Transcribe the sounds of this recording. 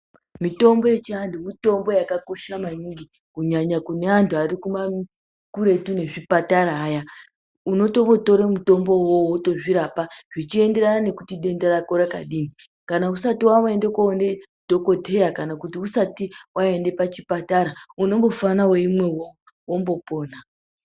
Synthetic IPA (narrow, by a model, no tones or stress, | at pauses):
mito̞mbo̞je̞t͡ʃiantumito̞mbo̞jakako̞ʃamaɲiŋɡi | kuɲaɲakune̞antʰuarikuma | kuɾe̞tune̞ʐipataɾaːja | uno̞to̞mɡoto̞ɾemuto̞mbowowoto̞ʐiɾapaʐ̥it͡ʃie̞ndeɾanane̞kutiɗe̞ndeɾakoɾaka̰ɗiːni | kanausatiwawendekoːne | d̥ʱo̞ko̞te̞jakanakutiusatiwae̞nde̞pat͡ʃipataɾauno̞mbo̞fanaweimwe̞wo | wombo̞po̞ːna